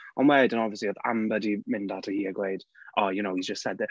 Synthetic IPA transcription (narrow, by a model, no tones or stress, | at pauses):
ənwɛːdə̃nɔvviəsliɔða̰mbədimɪndatʰəhiːəɡwleɨd̥ʔɔjɨnowhizd͡ʒəstsɛdðɛ